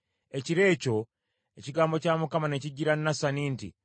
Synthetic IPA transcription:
e̞ciɾe̞ːco̞ | e̞ciɡaːmbo̞caːmukamane̞ciɟiɾanːasaniːntḭ

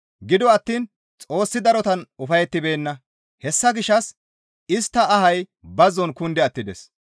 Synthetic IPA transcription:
ɡɪd̪ɔɐt̪ːiːn | t͡sʼo̞ːsːɪd̪ɐɾɔt̪ɐnʊfɐjɛt̪ːɪbe̞ːnːɐ | hɛsːɐɡɪʃːɐs | ɪst̪ːɐɐɦɐj | bɐzːɔnkʊnd̪ɛɐt̪ːɪd̪ɛs

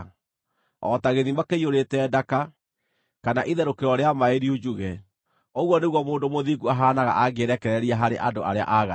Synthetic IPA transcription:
ɔ̰taɣeðimakeioɾetɛdaka | kanaʔiðɛɾokeɾwɔɾeamaeɾiud͡ʑuɣɛ | oɣwɔneɣwɔmoːndomoðiɡuaɦaːnaɣa̰ʔaɡeɾɛkɛɾɛɾiaɦaɾeʔandoaɾea̰ʔaɣa

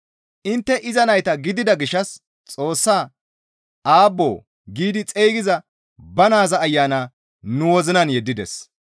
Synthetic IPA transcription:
ʔɪnt̪ːɛʔɪzɐnɐjt̪ɐɡɪd̪ɪd̪ɐɡɪʃːɐs | t͡sʼo̞ːsːaː | ʔaːbːoː | ɡiːd̪ɪt͡sʼejɡɪzɐ | bɐnaːzɐːjːaːnaː | nʊwɔzɪnɐnjɛd̪ːɪd̪ɛ̰s

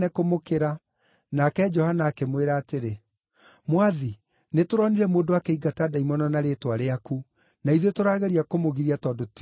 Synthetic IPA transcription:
ɛkomokeɾa | nakɛd͡ʒɔhanaːkemweɾaːteɾe | mwaði | netoɾɔniɾɛmoːndowakeiɡataːdaimɔnɔnaɾetwaɾeaku | naiðetoɾaːɣɛɾiakomoɣiɾiatɔːndot

